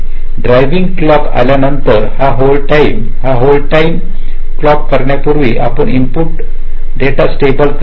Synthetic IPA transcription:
ɖɾajʋiŋɡklɔka̰ljanənt̪əɾhaɦolʈaim | haɦolʈaim | klɔkːəɾɳjapuɾʋiːʔa̰pəɳimpuʈ̚ | ɖeʈasʈebəlk

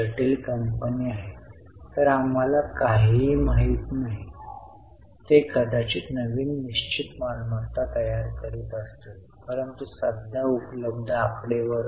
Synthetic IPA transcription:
ʈiːlkəmpəniːaɦe | t̪əɾam̤alakaɦiːmaɦit̪naɦi | t̪ekəɽʱat͡ɕiːnəʋiːnːiɕt͡ɕit̪malməɾt̪at̪əjaɾkəɾuːt̪əst̪e | pəɾənt̪usədd̪ʱjaupləb̚d̪ʱakɽeʋəɾ

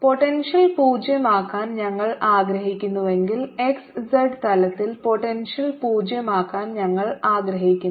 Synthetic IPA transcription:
po̞ʈenʂɐlpuːd͡ʑjɐmaːkːaːnɲɐŋːɐɭaːɡɾɐɦikʲːunːuʋe̞ŋɡile̞kssɐɖt̪ɐlɐt̪ːilpo̞ʈenʂɐlpuːd͡ʑjɐmaːkːaːnɲɐŋːɐɭaːɡɾɐɦikʲːun

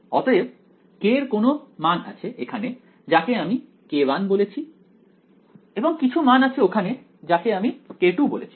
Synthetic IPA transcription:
ɔ̰t̪oeb̚ | keɾkonomana̰t͡ɕʰeʔekʰane | d͡ʑakeami | kebanbolet͡ɕʰi | eboŋkit͡ɕʰumanat͡ɕʰeokʰane | d͡ʑakeamikeʈubo̰lḛt͡ɕʰi̥

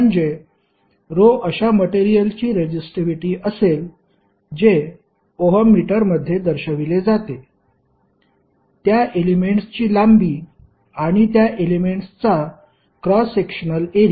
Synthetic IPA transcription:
əɳd͡ze | ɾoʔəɕaməʈeɾijəlt͡ɕiːɾed͡ʑisʈɾiʋiʈiːʔəsel | d͡ʑe | oɦəmːiʈəɾməd̪ʱːjed̪əɾɕəʋiled͡zat̪e | t̪jaʔelimeɳʈst͡ɕiːlambiː | aɽ̃it̪jaʔelimeɳʈst͡sa | kɾɔsekɕənəleɾ

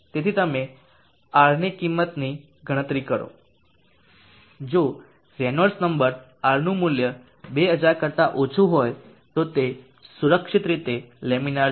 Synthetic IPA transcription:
t̪et̪ʰit̪əme | aɾnikimːət̪ni | ɡəɽ̃ət̪ɾikəɾo̰ | d͡ʒo | ɾɛnəɾsnəmbəɾ | aɾnũmʊljə | beəd͡ʒaɾkəɾt̪aʔot͡ʃʰuɦoj | t̪ot̪e | suɾəkʃɪt̪ɾit̪elemina

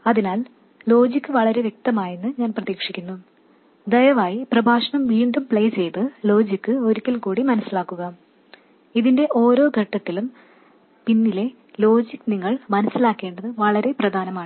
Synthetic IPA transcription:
ɐðinaːl | lo̞ːd͡ʑikːɨʋɐɭɐɾe̞ʋje̞k̚t̪ɐmaːjinːɨɲaːnprɐðiːkʂikʲːunːu | d̪ɐjɐʋaːjiprɐbʱaːʂɐɳɐmʋiɳɖumpɭejt͡ɕe̞jt̪ɨlo̞ːd͡ʑikːɨo̞ɾikʲːɐlkuːɽimɐnɐsːilaːkːuɣɐ | iðinde̞ʔo̞ːɾo̞ːɡʱɐʈːɐt̪ːilum | pinːile̞ | lo̞ːd͡ʑikːɨniŋːɐɭmɐnɐsːilaːkːe̞ːɳɖɐðɨʋɐɭɐɾe̞prɐd̪ʱaːnɐmaːɳɨ

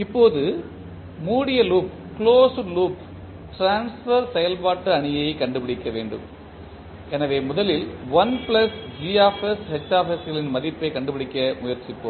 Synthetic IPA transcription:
ɪpːoːðɯ | muːɽɪjɐluːp̚ | kɭoːsɯluːp̚ | ʈɾaːnsfɐɾsɛjɐlpaːʈːɯɐɳɪjɐɪkɐɳɖɯpɪɽɪkːɐʋeːɳɖɯ̰m | ɛnɐʋeːmʊðɐlɪlʋɐnplɐsd͡ʒiaːfɛshɛt͡ʃːaːfɛsɣɐɭɪnmɐðɪpːɐɪkɐɳɖɯpɪɽɪkːɐmʊjɐɾt͡ʃɪpːo̰ː

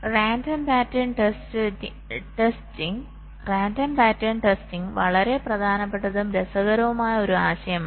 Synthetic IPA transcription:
raːndɐmpaːtːɐnʈestɨ | ʈestiŋ | raːndɐmpaːtːɐnʈestiŋʋɐɭɐɾe̞prɐd̪ʱaːnɐpːe̞ʈːɐðumɾesɐɣɐɾɐʋumaːjɐo̞ɾuaːɕɐjɐma

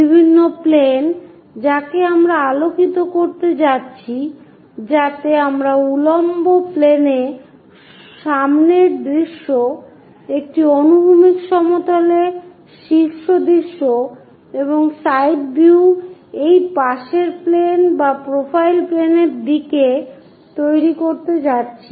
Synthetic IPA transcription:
bibʱinːoplen | d͡ʑakeamɾaalokit̪okoɾt̪et͡ɕatːɕʰi | d͡ʑat̪eamɾaulomboplene | ʃamneɾd̪ɾiʃːo | ek̚ʈionubʱumikʃɔmot̪ole | ʃiʃːod̪ɾiʃːo | eboŋsajɖ̚biwejpaʃeɾplenbapɾofʰajlpleneɾd̪ike | t̪ojɾikoɾt̪ed͡ʑatːɕʰi̥

